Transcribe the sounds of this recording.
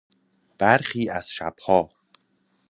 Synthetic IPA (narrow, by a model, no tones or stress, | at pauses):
b̥æɾxiːæz̥ʃæ̰b̥hɒː